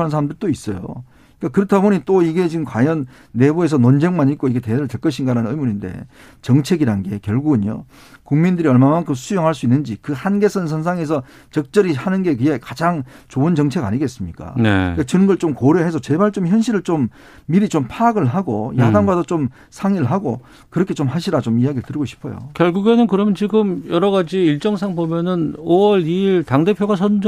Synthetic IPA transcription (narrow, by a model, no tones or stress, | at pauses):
nɯns̬ʰaɾamdɯɭt͈ois͈ʌjo̰ | ik͈akɯɾʌtʰaboɲit͈oiɡe̞t͡ɕiɡɯmkwajʌnː | e̞bue̞s̬ʰʌnond͡ʑeŋmanik͈oiɡe̞teɾɯɭtek͈ʌɕʰinɡaɾanɯnɯmuninde̞̰ | t͡ɕʌŋt͡ɕʰe̞ɡiɾanɡe̞̰kjʌɭɡuɡɯnjo̰ | kuŋmindɯɾiʌɭmamaŋkʰɯmsʰujoŋɦaɭs͈uinːɯnd͡ʑikɯhanɡe̞sʰʌnns̬ʰʌnsʰaŋe̞s̬ʰʌ | t͡ɕʌk̚t͡ɕ͈ʌɾihanɯnɡe̞k̬ɯɡe̞kad͡ʑaŋt͡ɕoɯnt͡ɕʌŋt͡ɕʰe̞ɡa̰ɲiɡe̞ts͈ɯmɲik͈a̰nḛket͡ɕɯnɯnɡʌɭt͡ɕomkoɾjoɦe̞sʰʌt͡ɕe̞baɭt͡ɕ͈omçjʌnɕ̬ʰiɾɯɭt͡ɕomː | iɾit͡ɕompʰaɡɯɭɦaɡo̰jadaŋɡwadot͡ɕom | sʰaŋiɯɭɦaɡo̰ | kɯɾʌkʰet͡ɕomɦaɕʰiɾat͡ɕomijaɡiɾɯɭtɯɾiɡoɕʰi̥pʰoʌjo̰kjʌɭɡuɡe̞nɯnkɯɾʌmjʌnt͡ɕiɡɯmjʌɾʌɡad͡ʑiiɭt͡ɕ͈ʌŋsʰaŋbomjʌnɯnowʌɾiiɭtaŋde̞pʰjoɡasʰʌn